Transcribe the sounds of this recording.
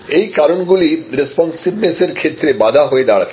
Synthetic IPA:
ejkaɾonɡuliɾespɔnsibneseɾkʰet̪ːɾebad̪ʱaɦoed̪aɽakʰ

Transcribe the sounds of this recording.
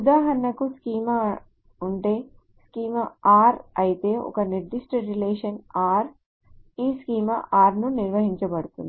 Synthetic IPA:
ud̪aːɦɐnɐkuskiːmɐ | uɳʈe̞ː | skiːmɐaːɾɐjit̪e̞ːʔɔ̰kɐniɾd̪iʂʈɐɾileːʂɐnaːɾ | iːskiːmɐʔaːɾnuniɾʋɐɦiɲt͡ʃɐbɐɽut̪und̪i

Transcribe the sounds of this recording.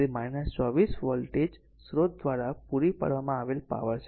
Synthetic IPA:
imajnəst͡ʃɔʋisʋɔlʈed͡ʒ | sɾod̪̚d̪ʋaɾapuɾipə̰ɽʋamãaʋelpa̰ʋəɾt͡ʃʰ

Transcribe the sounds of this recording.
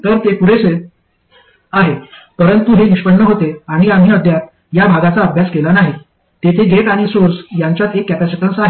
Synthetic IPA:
t̪əɾt̪epuɽese | aɦepəɾənt̪uɦeniʂpəɳːəɦot̪eaɽ̃iam̤iːəd̪jat̪ | jabʱaɡat͡saəbʱjaskelanaɦe | t̪et̪ʰeɡʱeʈaɽ̃isoɾsjãɲt͡ɕjat̪ekːɛpasəʈənsaɦe

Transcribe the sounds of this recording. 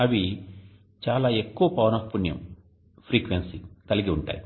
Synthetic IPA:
ɐʋi | t͡ʃaːlaːe̞kːuʋɐpɐʋɐnɐfpːunjɐ̰m | pʰɾiːkʋensikɐliɡiuɳʈa̰ːji

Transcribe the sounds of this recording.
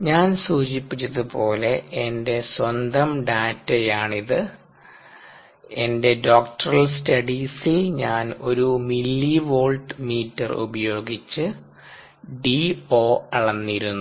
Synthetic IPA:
ɲaːnsuːɕipːit͡ɕːɐðɨpo̞ːle̞ende̞swɐnd̪ɐmɖaːtːejaːɳiðɨ | e̞nde̞ɖoːkʈɐrɐlstɐɽisilɲaːno̞ɾumilːiʋo̞ːlʈɨmiːtːɐrṵbɐjo̞ːɡit͡ɕːɨ | ɖio̞ːɐɭɐnːiɾunːu

